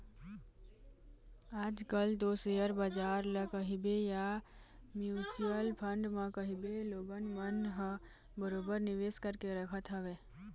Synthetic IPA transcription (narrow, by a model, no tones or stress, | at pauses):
aːd͡ʒkəlt̪osejəɾbad͡ʒaːɾləkəɦibeja | mjuːt͡ʃuəlpʰə̃ɳɖmãkəɦibeloːɡənmənɦə | bəɾoːbəɾnɪʋeːskəɾkeɾəkʰət̪ɦəʋeː